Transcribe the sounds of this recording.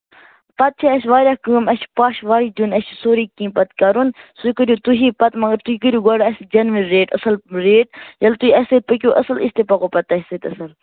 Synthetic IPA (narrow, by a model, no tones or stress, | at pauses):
pɐt̪̚t͡ʃʰiɐsʲʋaːɾʲaːkɨːmɐspaːʃʋaːɾiːd̪unɐsʰsoːɾiːkĩːpɐt̪kɐɾunsukəɾʲuːt̪uɦiːpɐt̪mɐŋɡəɾt̪uikəɾjuɡɐɽɐsʲd͡ʒɐnʋiɾeːʈɐ̰sɐlɾeːʈjɐlt̪uiɐst̪̚pək̬ʲuːʔəsɐlist̪epɐkoːpɐt̪ɐsʲsɨt̪ɐsɐl